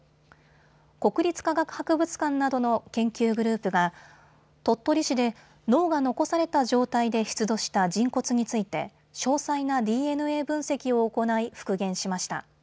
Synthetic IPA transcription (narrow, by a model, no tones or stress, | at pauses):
ko̞kɯ̟ɾʲit͡sɨ̥kaɡakɯ̟̥hakɯ̟bɯ̟t͡sɨ̥kãnːad̪o̞no̞kẽ̞ŋkʲɨːɡɯ̟ɾɯ̟ːpɯ̟ɡa | t̪o̞t̪ːo̞ɾʲiɕid̪e̞ | no̞ːɡano̞ko̞saɾe̞t̪aʑo̞ːt̪aid̪e̞çi̥t͡sɨd̪o̞ɕi̥t̪ad͡ʑĩŋko̞t͡sɨɲ̟it͡sɨit̪e̞ | ɕo̞ːsainad̪ʲiːe̞nɯ̟e̞ːbɯ̟̃ɰ̃se̞kʲio̞ːko̞naiɸɯ̥kɯ̟ɡẽ̞ɰ̃ɕimaɕi̥t̪a̰